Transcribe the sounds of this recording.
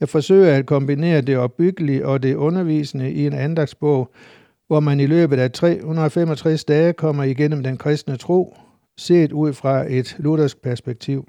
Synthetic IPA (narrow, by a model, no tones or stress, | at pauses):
jɑ̈ɪfɒ̽sø̰ːɪɐæd̥̚kʰɒ̽mb̥ine̝̰ːɐd̥e̝ɒ̽b̥ːyɡ̥əliʔɒ̽d̥e̝ʔɔ̽nɐʋḭːsənəʔie̝nænd̥ɑ̈ɡ̥̚sb̥ɔ̽ʊ̰ | ʋɒmænilø̰ːb̥ð̞̩ˠæt͡sʰʁɛ̰ːhunɐðˠfemɒ̽t͡sʰʁɛsd̥ɛːkʰɒ̽m̰ɐiɡ̥en̰m̩d̥enkʰʁɛsd̥nət͡sʰʁo̝̰ː | se̝̰ːd̥uð̞̰ˠfʁɑ̈e̝d̥luɾ̥ɐsɡ̥̚pʰæɐsb̥eɡ̥̚t͡sʰiʊ̰